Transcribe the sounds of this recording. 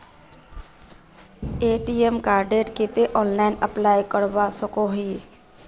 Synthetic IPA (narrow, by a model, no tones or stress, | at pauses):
eːʈiːemkaːɾɖeːʈkit̪eʔɔːnlaːɪnəplaːjkəɽʋaːsəkoːɦiː